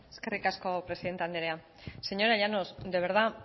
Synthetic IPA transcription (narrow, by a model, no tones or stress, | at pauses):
eskerikaskopɾesiðent̪and̪eɾea | se̞ɲo̞ɾaʎanozd̪e̞β̞e̞ɾð̞a